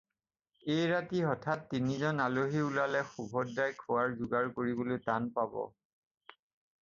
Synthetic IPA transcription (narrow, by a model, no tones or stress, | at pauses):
ejɹatiɔtʰatːinizɔnaloɦiulalɛxubʱɔdːajkʰuwaɹzuɡaɹkoɹibolojtanpabɔ̰